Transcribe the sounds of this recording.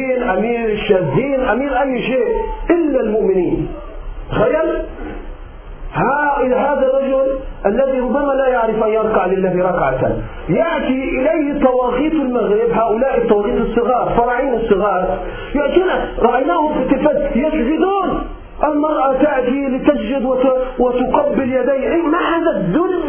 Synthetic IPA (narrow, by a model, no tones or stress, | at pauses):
iːnʔamiːɾʃːazːiːnʔamiːɾʔajːʃeːʔʔɪlːalmʊʔmɪniːn | t̪xajːal | haɪɦaːðarˤːɑd͡ʒʊlʔalːaðiɾʊbːamalajaʕɾɪfʔanjɑɾˤkɑʕlɪlːaːhiɾˤɑkʕat̪a̰ | jaʕt̪iʔɪlejhɪt̪ˤːɑwɑːɣiːt̪ɪlmaɣɾɪbɦaːʔʊlaːʔɪt̪ˤːɑwɑːɣiːt̪ˤɨsˤːɨɣɑːɾˤfɑɾˤɑʕiːnɨsˤːɨɣɑːɾˤ | jaʔt̪iːnaɾˤɑʔajnaːhʊmfɪt̪ɪlfad̪jɪsd͡ʒɪd̪uːn | ʔɪlmɑɾˤʔat̪aʕt̪ilɪt̪asd͡ʒɪd̪wɪwɪt̪ʊqɑbːɪljad̪aːʔmaħaːðad̪uːnɪ